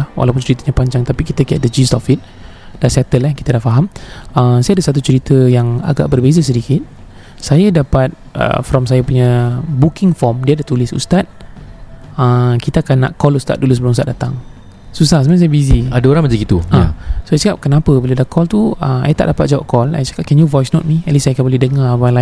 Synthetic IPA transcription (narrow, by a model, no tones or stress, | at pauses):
hwʔa̰lap̬ʊnt͡ʃəɾit̪əɲãpaɲd͡ʒaŋt̪apikit̪əkiɛat̪̚dəd͡ʒist̪ɔfit̪̚ | d̥asɛt̪əlahkit̪adaʔfaɦaməmsajadəsat̪̬ut͡ʃəɾit̪əjaŋa̰ɡa̰ʔbərbezas̬ədikɪt̪̚ | sajədapat̪̚ə̰fɾɔmsajəpuɲabukɪŋfɔmdiadaht̪ulɪsṵst̪at̪̚ | əkit̪aakanːaʔkɔlust̪at̪̚dulusəblɔŋus̬t̪aʔ̚dat̪a̰ŋ | susahsəmajãsajəbiziadaoɾaŋməɲd͡ʒaɡit̪uãasoajsəkap̚kənapəbəladakʰɔlt̪uəma̰jət̪a̰ʔdapat̪̚d͡ʒawap̚kɔla̰jt͡ʃḁkap̚kɛnjuvɔjsnɔt̪̚miɛt̪lisajakanboledəŋawala